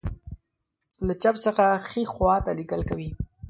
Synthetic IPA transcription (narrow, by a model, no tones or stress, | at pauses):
lat͡ʃabsəxaxixwɑt̪aliɡəlkawi